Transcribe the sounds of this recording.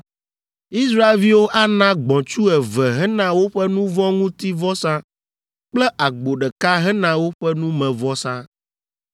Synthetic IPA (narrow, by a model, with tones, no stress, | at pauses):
i˦sɾa˦e˦˨lvi˦wo˦ʔa˦nã˦ɡ͡bɔ̃˨t͡ʃu˦ɛ˨vɛ˨ɦɛ˦nã˨wo˦ɸɛ˦nũ˦vɔ̃˦ŋũ˦t̪i˦vɔ˦sã˦ | k͡plɛ˦ʔa˨ɡ͡bo˨ɖɛ˨ka˦ɦɛ˦nã˨wo˦ɸɛ˦nũ˦mɛ̃˨vɔ˦sã˦